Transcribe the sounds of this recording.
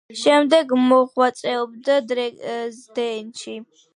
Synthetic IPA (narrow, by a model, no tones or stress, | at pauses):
ʃɛmd̪ɛɡmɔχwat̪sʼɛɔbd̪ad̪ɾɛzd̪ɛnt͡ʃi